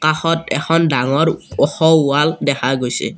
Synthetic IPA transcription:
kaxɔtɛxɔndaŋɔɹɔxɔʊaldɛxʰaɡojsɛ̰

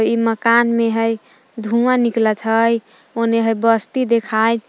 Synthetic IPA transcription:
iməkanmeɦəj | d̪ʱuaniklət̪ʰɦəj | oneɦəjbəst̪id̪ekʰaj

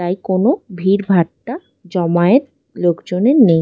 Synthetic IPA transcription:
t̪ajkonobʱiɾbʱaʈːa | d͡ʑɔmaet̪ | lokd͡ʑoneɾnej

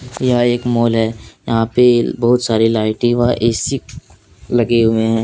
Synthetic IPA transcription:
jɐɦãeːkmoːlɦɛːjɐɦãpebɐɦʊt̪saːɾilaːɪʈiʋaʔeːsik | lɐɡemẽɦɛ̃ː

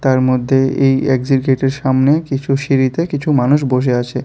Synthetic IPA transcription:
t̪aɾmod̪ʱːeejeɡd͡ʑiɾɡeʈeɾʃamnekit͡ɕʰuʃiɾit̪ekit͡ɕʰumanuʃboʃ̬eat͡ɕʰe

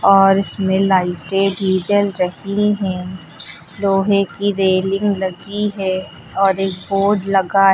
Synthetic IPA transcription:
ɔːɾɪsmẽlaːɪʈeɖiːd͡ʒəlɾɐhiɦɛ̃ | loːɦẽkiɾeːlɪ̃ŋɡlɐɡiɦɛ | ɔːɾeːk̚boːɖlɐɡaɦ

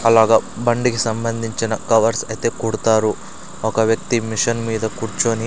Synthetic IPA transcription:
ɐlaːɡɐːbɐɳɖikisɐmbɐnd̪ʱiɲt͡ʃinɐkɐʋɐɾsɐjit̪e̞ːkuːɽut̪aːɾu | ɔkɐʋjɐk̚t̪imiʂɐnmiːd̪ɐkuːɾt͡ʃoːni

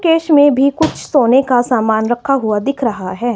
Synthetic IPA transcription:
keːʃmẽbʱikʊt͡ʃʰsoːnekasaːmaːnɾɐkʰaɦuad̪ɪkʰɾɐɦaɦɛː

